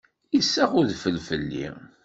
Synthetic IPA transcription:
isːæʁʊðfəlfəlːḭ

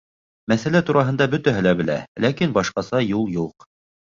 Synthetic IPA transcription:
mæθælæt̪uɾɑɦɤ̆nd̪ɑbɵ̆t̪æɦɘ̆læbɘ̆læ̰lækinbɑʃqɑsɑjulˠjuq

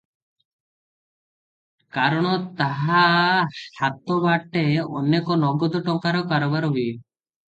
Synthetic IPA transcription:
kaɾɔɽ̃ɔt̪aɦasat̪ɔbaʈeɔnekɔnɔɡɔd̪ɔʈɔŋkaɾɔkaɾɔbaɾɔɦu

